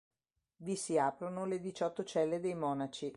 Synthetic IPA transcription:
visiaːpɾonoled̪it͡ʃɔt̪ːot͡ʃɛlːed̪ejmɔːnat͡ʃi

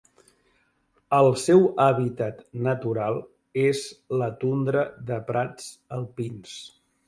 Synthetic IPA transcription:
əlˠsɛwəβit̪at̪nət̪uɾalˠ | ezlət̪und̪ɾəðəpɾad͡zəlˠpins

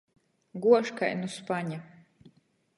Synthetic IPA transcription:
ɡuɔʃka̰jnuspaɲa

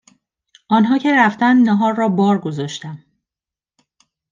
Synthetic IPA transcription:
ʔɒːnɦɒːcʰe̞ɾæft̪ænd̪næɦɒːɾːɒːbɒːɾɡo̞zɒːʃt̪æm

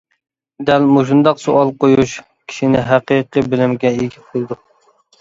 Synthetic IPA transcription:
d̪ɛlmoʃund̪ɑqsoʔɑlˠqojuʃ | kʲʰi̥ʃinɪɦæqiqɨbɪlɪmɡʲɛiɡʲiqʰolˠd̪u

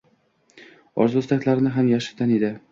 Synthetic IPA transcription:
ɒ̰ɾzʊst̪akʲlaɾɪnɪɦamjaʃɪ̥ɾt̪ʲaned̪ɪ

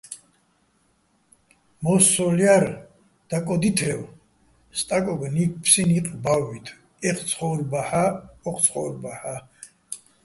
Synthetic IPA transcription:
mɔsɔljaɾ | d̪̥akʼɔd̪it̪ʰɛw | st̪ʼakʼɔɡnik̚ʰpʰsiniqʼbawːit̪ʰ | ɛχsʰχɔɾbaħaɔq̪ʰsʰχɔɾbaħa

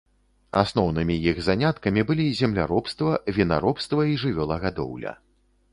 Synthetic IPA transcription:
a̰snɔwnɨmʲijiɣzanʲat̪kɐmʲibɨlʲizʲɛmlʲaɾɔpst̪vɐvʲina̰ɾɔpst̪vɐiʐɨvʲɔlˠɐɣad̪ɔ̰wlʲɐ̰

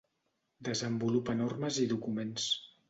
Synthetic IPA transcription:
d̪əzəmbulupənorməziðukumens

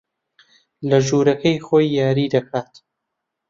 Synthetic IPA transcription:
lɐʒuːɾɐkʰɐjχoːjːaːɾiːd̪ɐkʰaːt̪

